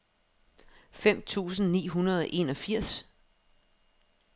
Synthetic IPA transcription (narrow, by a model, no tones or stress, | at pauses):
fem̰t͡sʰṵːsn̩nḭːɦunɐð̞ˠɒ̽ʔe̝ːnɒ̽fiɐ̰s